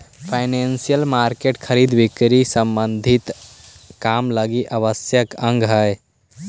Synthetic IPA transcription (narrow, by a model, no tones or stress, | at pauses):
pʰaɪnensijəlmaɾkeʈkʰəɾid̪bikɾisəmbənd̪ʱit̪kamləɡiʔəʋəsjəkə̃ŋɡɦəj